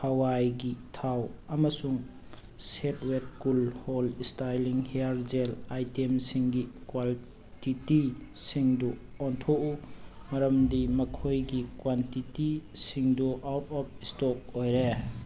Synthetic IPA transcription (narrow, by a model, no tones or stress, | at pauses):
hɐwajɡitʰawɐmɐsuŋ | set̚wet̚kulholistajliŋheaɾd͡ʒelajtemsiŋɡikwal | titisiŋdu | ɔntʰoʔumɐɾɐmdimɐkʰojɡikwantitisiŋduʔawtɔp̚ʰistɔk̚ojɾe